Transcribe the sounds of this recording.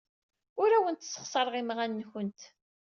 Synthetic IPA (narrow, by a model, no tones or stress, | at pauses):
ʊɾæwənt̪sːə̥χsˤɑɾˤʁimʁænːçənt̪